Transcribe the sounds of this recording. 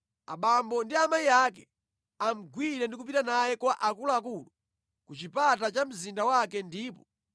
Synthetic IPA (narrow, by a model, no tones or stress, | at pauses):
a̰ɓambɔndiamaiakɛ | am̩ɡwiɾɛndikupitanajɛkwaʔakulaak̬ulu | kut͡ʃipatat͡ʃam̩zindawakɛndiːpɔ